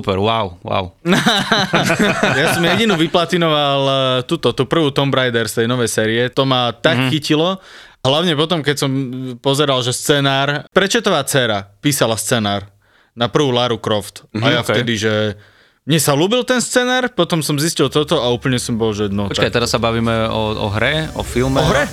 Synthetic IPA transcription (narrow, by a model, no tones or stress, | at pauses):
upɛɾwaʊwa̰ʊ | jasɔmjɛɟinuʋiplat̪inɔʋalt̪uːt̪ɔt̪uːpr̩ʋuːt̪ɔmbɾajd̪ɛɾst̪ɛjnɔʋɛjsɛːɾiɛt̪ɔmat̪akxxicilɔ | ɦlaʊɲɛpɔt̪ɔmkɛcsɔmpɔzɛɾalʒɛst͡sɛːnaːɾpɾɛt͡ʃɛt̪ɔʋaːt͡sɛːɾapiːsalast͡sɛːnaːɾ | napr̩ʋuːlaɾukɾɔft̪ajjaft̪ɛd̪iʒɛ | mɲɛsaluːbilt̪ɛnst͡sɛːnaːɾpɔt̪ɔmsɔmziscilˠt̪ɔt̪ɔauːpl̩ɲɛsɔmbɔlʒɛnɔɔt͡ʃ̪akajt̪ɛɾassabaʋiːmɛɔɔ̰ɦɾɛɔ̰filmɛɦɾɛ